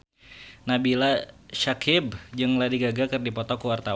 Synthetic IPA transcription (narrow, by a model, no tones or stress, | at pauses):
nabilaʃakʰɪbd͡ʒɨŋladiɡaɡakɨrdipɔt̪ɔkuwart̪a